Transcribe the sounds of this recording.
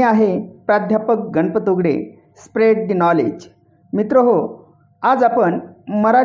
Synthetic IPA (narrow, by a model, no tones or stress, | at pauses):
aɦepɾad̪ʱjapək̚ɡəɳpət̪oɡɽḛ | spɾeɖd̪inɔlḛd͡ʑ | mit̪ɾoɦo | ad͡zapəɳməɾa